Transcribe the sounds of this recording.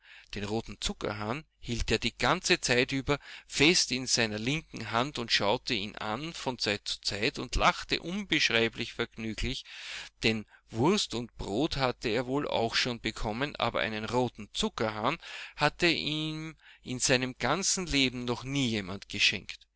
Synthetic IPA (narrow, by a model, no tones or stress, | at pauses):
d̥eːnʁoːtn̩t͡sʊkɐ̰ɦaːn | hiːlteːɐdiːɡ̥ant͡sət͡sæɪtyːbɐfɛstɪnzæɪnɐlɪŋkŋ̩ɦantʊntʃaʊtəiːnʔa̰nfɔnt͡sæɪt̚t͡su̥t͡saɪtʊndlʔaχtə̰ʔʊnbəʃʁaɪblɪçfɛɐɡnyːɡlɪçd̥ɛnvʊɐstʊntb̥ʁoːthatəeːɐvoːla̰ʊxʃoːnbəkʰɔmənʔa̰ːbɐ̰ʔæ̰ɪnənʁoːtn̩t͡sʊkɐɦaːnhatəʔiːmʔɪnzæɪnəmɡ̥ant͡sn̩leːbm̩nɔχniːjeːmantɡ̥əʃɛ̰ŋkt